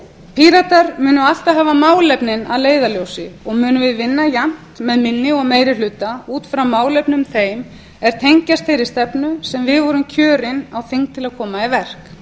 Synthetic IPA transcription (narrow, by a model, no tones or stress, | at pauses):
pʰiːɾat̪aɾmʏːnʏal̥t̪aɦaːvamaːwlɛpnɪna̰ðleːjðaljowsɪɔɣmʏːnʏvɪðvɪnːajan̥t̪mɛðmɪnːɪɔɣmeːjɾɪlʏt̪auːt̪fɾawmaːwlɛpnʏmθejm | ɛɾ̥t̪ʰejɲcast̪fejɾɪ̥st̪ɛpnʏsɛmvɪðvɔɾʏmcʰœːɾɪnawθiŋk̚t̪ʰɪlaðkʰɔːmaivɛr̥k